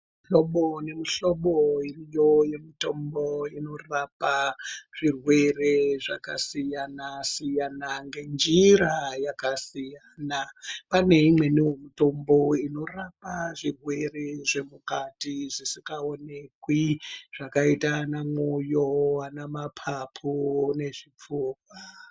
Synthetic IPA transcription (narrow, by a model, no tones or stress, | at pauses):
ɬoɓone̞miɬo̞ɓoirijoje̞mito̞mboino̞rapaʐ̥irwe̞re̞ʐaka̰sijanasijanaŋɡe̞nd͡ʒiɾajakasijaːnapane̞imwe̞niwemito̞mbo̞ino̞rapaʐirwe̞re̞ʐe̞mukatiʐisikaone̞kwiʐ̥akaitanamujoanamapʰapʰune̞ʐip͡fuːkwa